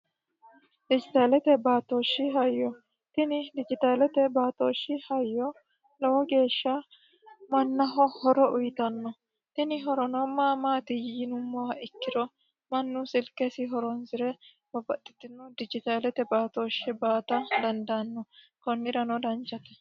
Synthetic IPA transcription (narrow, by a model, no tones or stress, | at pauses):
d̪ɪd͡ʒɪt̪aːlɛt̪ɛbaːt̪oːʃːɪɦɐjːɔ | t̪ɪnɪd̪ɪd͡ʒɪt̪aːlɛt̪ɛbaːt̪oːʃːɪhɐjːɔ | lɔwɔɡe̞ːʃːɐ | mɐnːɐɦɔhɔɾɔʔʊjt̪ɐnːɔ | t̪ɪnɪɦɔɾɔnɔmaːmaːt̪ɪjɪnʊmːɔwɐɪkːɪd̪ɔ | mɐnːʊsɪlkʼːɛsɪɦɔɾɔnzɪɾɛ | b̥ɐbɐt̪ʼːɪ̥t̪ːɪnːɔd̪ɪd͡ʒɪt̪aːlɛt̪ɛbaːt̪oːʃːɛbaːt̪ɐd̪ɐnd̪ɐnːɔ | kɔnːɪɾɐnɔd̪ɐnt͡ʃːɐt̪ɛ̥